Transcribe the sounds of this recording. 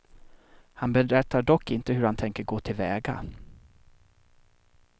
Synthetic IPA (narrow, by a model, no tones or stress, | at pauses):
hanbɛɾɛt̪ːaɖɔkːɪnt̪əɦɵɾhant̪ʰɛŋkəɾɡoːt̪ʰɪlvɛːɡa̰